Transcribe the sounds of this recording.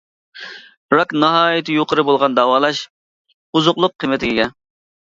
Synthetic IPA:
ɾɑknɑɦɑːjɪt̪ʰɪjoqʰəɾɨbolˠʁɑnd̪ɑːwɑːlˠɑʃ | uzʊqlˠʊq̚ʰːɨmɪt̪ʰɪɡʲɪɡʲɛ

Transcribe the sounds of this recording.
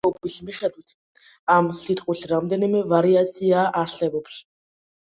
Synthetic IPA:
ɔbʼiɬmiʃad̪ʰʼut̪ʰ | amsit̪ʼqʼuɬramd̪ɛnimɛvaɾiat̪t͡sʰijaʔarɬɛbɛpr

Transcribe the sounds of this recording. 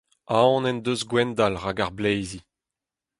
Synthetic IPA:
aɔ̃nɛnd̪øzɡwɛnd̪alʁaɡaʁblejzi

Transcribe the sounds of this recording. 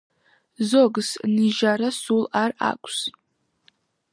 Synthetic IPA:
zoɡzniʒaɾasulara̰kʷʼs

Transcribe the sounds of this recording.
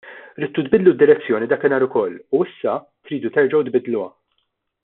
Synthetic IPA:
ɾiːt̪ːut̪̚bɪd̪lud̪ːɪɾɛt͡sːjɔːnid̪ɐːkɪnɐːɾʊkɔlːuɪsːɐ | t̪ɾiːd̪ut̪ɛɾd͡ʒɐwt̪bɪd̪luɐ

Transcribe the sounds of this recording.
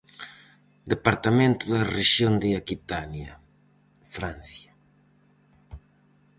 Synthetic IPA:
d̪epaɾt̪ɐmẽnt̪ʊðɐreʒjond̪ɪakit̪anjɐ | fɾãnsjɐ

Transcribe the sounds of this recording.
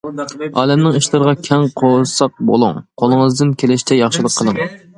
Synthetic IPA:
ɑ̰ːlɛmnɪŋiʃlˠɨɾəʁɑkʲʰɛŋqʰosɑq̚bo̰lˠṵŋqʰolˠəŋəzd̪ɨnkʲʰelɪʃt̪ʰɛjɑχʃɨlˠəqʰːəlˠɨŋ

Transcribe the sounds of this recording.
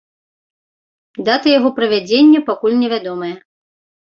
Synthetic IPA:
d̪at̪ɨjaɣɔpɾɐvʲad͡zʲenʲːɛpakulʲnʲɛvʲad̪ɔmɐjɛ

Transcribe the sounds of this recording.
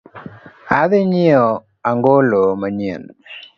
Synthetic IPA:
aðɪɲɪɔ | aŋɡolomaɲiḛn

